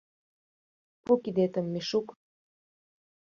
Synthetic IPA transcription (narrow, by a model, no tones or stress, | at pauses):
pukid̪et̪ə̆mːeʃuk